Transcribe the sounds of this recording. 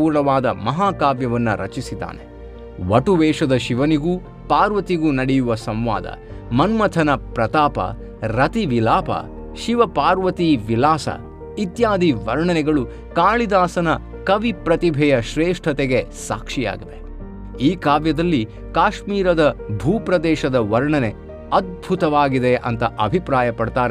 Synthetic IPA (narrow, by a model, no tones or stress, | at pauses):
uːɾɳɐʋaːd̪ɐmɐɦaːkaːʋjɐʋɐnːɐɾɐ̰t͡ʃisid̪a̰ːne | ʋɐʈuʋɛːʂɐd̪ɐʃiʋɐniɡuː | paːɾʋɐt̪iɡuːnɐɽɛjuʋɐsɐ̃mʋa̰ːd̪ɐ̰mɐnmɐt̪ʰɐnɐpɾɐt̪aːpɐ̰ | ɾɐt̪iʋilaːpɐ̰ | ʃiʋɐpaːɾʋɐt̪iʋilaːsɐ̰ | it̪jaːd̪ʱiʋɐɾɳɐnɛɡɐɭu | kaːɭid̪aːsɐnɐ | kɐʋipɾɐt̪ibʱɛjɐʃɾeːʂʈʰɐt̪eɡe̞sa̰ːkʂija̰ːɡiʋe̞ | iːkaːʋjɐd̪ɐlːi | kaːʃmiːɾɐd̪ɐbʱuːpɾɐd̪ɛːʃɐd̪ɐʋɐɾɳɐne | ɐd̪̚bʱut̪ɐʋaːɡid̪eʔɐ̰nt̪ɐʔɐbʱipɾaːjɐpɐɽt̪aːɾe